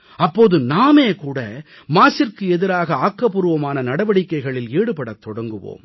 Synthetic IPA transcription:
ɐpːoːðɯnaːmeːkuːɽɐ̰ | maːsɪrkɯɛðɪɾaːɣɐaːkːɐpːʊɾɯʋɐmaːnɐnɐɽɐʋɐɽɪkːɐɪɣɐɭɪleːɽɯpɐɽɐt̪ːɔɽɐŋɡɯʋo̰ːm

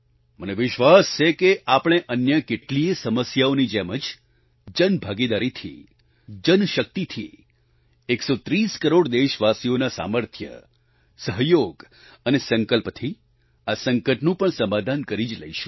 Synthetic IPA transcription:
məneʋɪʃʋast͡ʃʰekeʔapɽ̃eʔənjəkeʈliesəməsjaonid͡ʒeməd͡ʒ | d͡ʒənbʱaɡid̪aɾit̪ʰḭ | d͡ʒənʃək̚t̪it̪ʰḭ | eksot̪ɾiskəɾoɽd̪eʃʋasionasa̰məɾt̪ʰjə̰ | səɦjoɡ | ənesəŋkəlpt̪ʰi | asəŋkəʈnũpəɳsəmad̪ʱankəɾid͡ʒlə̰iʃu̥

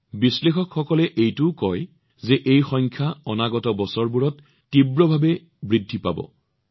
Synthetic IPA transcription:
bislexɔkxɔkɔlɛʔejtʊkɔj | zɛʔejxɔŋkʰaɔnaɡɔtɔbɔsɔɹbuɹɔtː | ibɹɔbʱabɛ | bɹidʱːipa̰bɔ̰

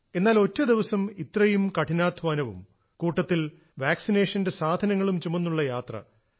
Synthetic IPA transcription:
e̞nːaːlo̞tːɐd̪iʋɐsɐmit̪rɐjumkɐʈʰinaːd̪ʱʰʋaːnɐʋṵm | kuːʈːɐt̪ːil | ʋaːksineːʂɐndesaːd̪ʱɐnɐŋːɐɭumt͡ɕumːunːuɭːɐjaːt̪rɐ̰

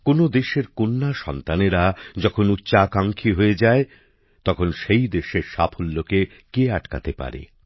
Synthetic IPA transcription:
konod̪eʃeɾkonːaʃɔnt̪aneɾad͡ʑɔkʰonutːɕaːkaŋkʰiɦoed͡ʑae | t̪ɔkʰonʃejd̪eʃeɾʃapʰolːoke | keaʈka̰t̪epa̰ɾḛ

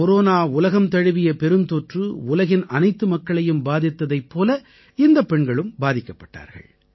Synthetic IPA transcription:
ɔɾoːnaːʊlɐɣɐmt̪ɐɻɯʋɪjɐpɛɾɯnt̪oːʈrɯʊlɐɣɪnɐnɐɪt̪ːɯmɐkːɐɭɐjɯmbaːðɪt̪ːɐðɐɪpːoːlɐ | ɪnd̪ɐpːɛɳɡɐɭɯmbaːðɪkːɐpːɐʈːa̰ːɾɣɐ̰ɭ

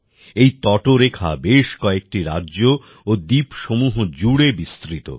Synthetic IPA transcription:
ejt̪ɔʈoɾekʰa̰beʃkɔek̚ʈiɾa̰dːʑo | od̪ipʃomuɦod͡ʑuɽebist̪ɾit̪o̰

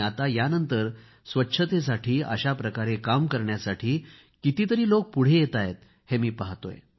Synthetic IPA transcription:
at̪ajanənt̪əɾ | sʋətːɕʰət̪es̬aʈʰiːə̰ɕapɾəkaɾekamkəɾɳjasaʈʰiː | kit̪iːt̪əɾiːlok̚puɽ̤ejet̪ajet̪̚ | hemiːpaɦt̪o̰j

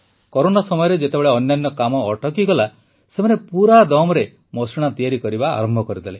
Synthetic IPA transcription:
kɔɾonasɔmɔjɔɾed͡ʒet̪ebeɭeɔnːjanːɔkamɔːʈʰɔkiɡɔla | semanepuɾad̪ɔmɔɾe | mɔsiɽ̃at̪ijaɾikɔɾiba̰ːɾɔmbʱɔkɔɾid̪ile

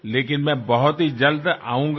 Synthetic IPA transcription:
leːk̬ɪnmɛ̃bɐɦʊt̪ɦid͡ʒɐld̪a̰ːũːŋɡ

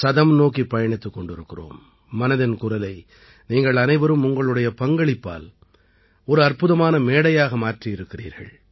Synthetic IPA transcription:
sɐðɐmnoːkipːɐjɐɳɪt̪ːɯkːɔɳɖɪɾɯkːɪro̰ːmː | ɐnɐðɪnkʊrɐlɐɪ | niːŋɡɐɭɐnɐɪʋɐɾɯmʊŋɡɐɭɯɽɐjɐpɐŋɡɐɭɪpːa̰ːl | ɔɾɯɐɾpɯðɐmaːnɐmeːɽɐjaːɣɐmaːʈriɪɾɯkːɪrḭːɾɣɐ̰ɭ

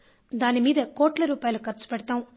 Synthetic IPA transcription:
d̪aːnimiːd̪ɐkoːʈlɐɾuːpaːjɐlukɐɾt͡ʃu̥pɛɽɐt̪aːm

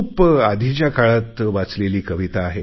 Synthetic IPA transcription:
pad̪ʱit͡ɕjakaɭat̪ʋat͡sleliːkəʋit̪aːɦe

